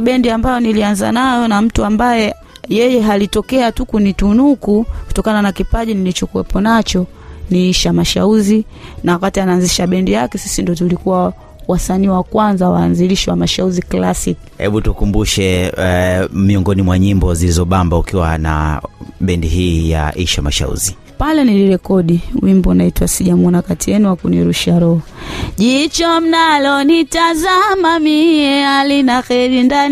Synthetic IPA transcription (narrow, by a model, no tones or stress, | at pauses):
ɓɛndiambajɔnilianza̰najɔnam̩tuambajɛ | jɛjɛɦalitɔkɛatukunitunukuku̥tɔkananakipaʄinilit͡ʃɔkuwɛpɔnat͡ʃɔ | niiʃamaʃa̰uzi | nawakatianaːnziʃaɓɛndijakɛsi̥sindiɔtulikuwa | wasaniːwakwanzawaːnziliʃiwamaʃauziklasik | hɛ̰ɓutukumbuʃɛ | miɔŋɡɔnimwaɲimbɔzilizɔɓambaukiwana̰ɓɛndiɦiːja̰ʔiʃamaʃa̰ṵzi | palɛniliɾɛkɔɗiwimbɔnaitwasiʄamɔnakatijɛnuwakuniɾuʃaɾɔhɔʄit͡ʃɔm̩nalɔnitazamamiɛhalinaxɛɾindani